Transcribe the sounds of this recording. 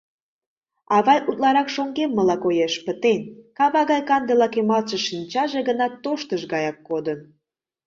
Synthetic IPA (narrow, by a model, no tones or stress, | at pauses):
ɑβɑjʔut̪lɑɾɑkʃoŋɡemːəlɑkojeʃpət̪enkɑβɑɣɑjkɑnd̪elɑkemɑlʃə̆ʃinʲt͡ɕɑʒeɣənɑt̪ːoʃt̪əʃɡɑjɑkːod̪ən